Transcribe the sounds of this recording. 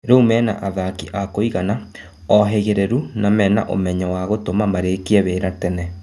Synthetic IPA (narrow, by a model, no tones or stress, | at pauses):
ɾoumɛːna̰ʔaðakiʔakoiɣana | ɔɦeɣeɾeɾunamɛna̰ʔo̰mɛɲɔwaɣotomamaɾekiɛβeːɾatɛnɛ